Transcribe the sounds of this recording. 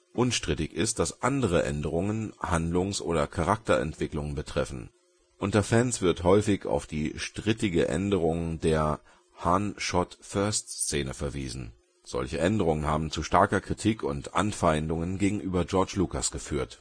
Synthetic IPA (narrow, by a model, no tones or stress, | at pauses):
ʔʊnʃtʁ̥ɪtɪçɪst̚d̥asʔandəʁ̞əʔɛ̰ndəʁ̞ʊŋənhandlʊŋsʔoːdɐkʰaʁak̚tɐʔɛ̰ntv̥ɪklʊŋənbətʁ̥ɛfn̩ | ʔʊntɐfɛnsv̥ɪɐthɔʏfɪça̰ʊfd̥iːʃtʁ̥ɪtɪɡəʔɛ̰ndəʁ̞ʊŋdeːɐ | hanʃɔtfœɐstt͡seːnəfɛɐviːzn̩ | z̥ɔ̰lçəʔɛndəʁ̞ʊŋənhaːbm̩t͡suʃtaɐkɐkʁ̥itʰiːkʰʊntʔa̰nfaɪndʊŋənɡeːɡŋ̩ʔyːbɐd͡ʒɔɐt͡ʃlukasɡ̥əfyːɐt